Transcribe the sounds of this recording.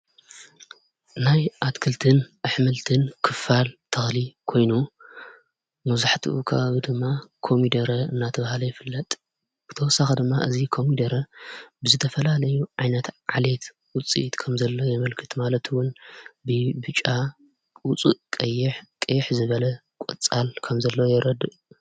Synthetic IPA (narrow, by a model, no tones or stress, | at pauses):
najʔat̪kʰɨlt̪ʰɨnʔaħmɨlt̪ʰɨnkʰɨfalt̪ʰɐxlikʰo̞jnu | mɐzaħt̪ʰḭʔukʰɐ̰βaβid̪ɨmːakʰo̞mid̪ɐɾɐɨnːat̪ʰɐβahlɐjɛfɨlːɐt̪ʼ | b̥ɨt̪ʰɐwɔsːaxɐd̪ɨmːaʔɨzikʰo̞mid̪ɐɾɐbɨzɨt̪ʰɐfɐlalɐjuʕajnɐt̪ʕale̞t̪ | wʊt͡sʼːḭʔt̪kʰɐmzɐlːo̞jɛmɐlkʰɨ̥t̪ʰmalɐt̪ʰwʊnbɨbɨt͡ʃʼa | ʊt͡sʼuʔkʼɐjːɪħkʼɐjɪħzɨβɐlɐ | kʷʼɔ̰t͡sʼːalkʰɐmzɐlːojɛɾɐd̪